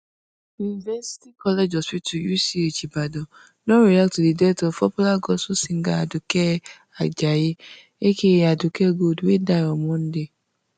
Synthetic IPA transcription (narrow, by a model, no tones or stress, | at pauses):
junivɛsi̥tikɔled͡ʒɔspitujusiit͡ʃibadɔ | nɔ̃ɾiak̚tudidɛtɔfpɔpulaɡɔsosiŋ̩ɡaadʊkɛ | ad͡ʒaje | ekejadʊkɛɡodwedajɔmɔn̩de